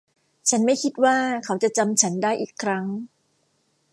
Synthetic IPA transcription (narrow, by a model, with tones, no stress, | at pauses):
t͡ɕʰa˦˥nma˥˩jkʰi˦˥t̪̚waː˥˩kʰa˦˥wt͡ɕa˨˩t͡ɕa˧mt͡ɕʰa˦˥ndaː˥˩jʔiː˨˩kʰɾa˦˥ŋ